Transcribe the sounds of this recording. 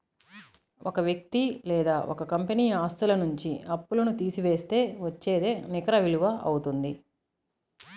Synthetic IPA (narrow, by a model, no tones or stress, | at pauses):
okɐʋjɐk̚t̪ilɛːd̪aːʔokɐkɐmpeniːaːst̪ulɐnuɲt͡ʃiɐpːulɐnut̪iːsiʋe̞ːst̪e̞ːʋɐt͡ʃːeːd̪eːnikɐɾɐʋiluʋɐʔɐwut̪und̪i